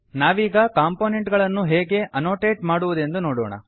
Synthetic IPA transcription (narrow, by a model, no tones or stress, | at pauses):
naːʋiːɡɐkaːmpoːneɳʈɡɐɭɐnːuɦeːɡe̞ʔɐnoːʈeːʈmaːɽuʋud̪e̞nd̪unoːɽoːɳɐ̰